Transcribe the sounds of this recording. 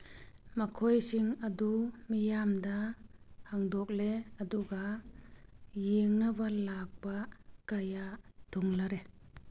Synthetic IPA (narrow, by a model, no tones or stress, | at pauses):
mɐkʰojsiŋɐdumijamdahaŋdɔk̚leɐduɡa | jeŋnabalak̚bakajat̪uŋlaɾe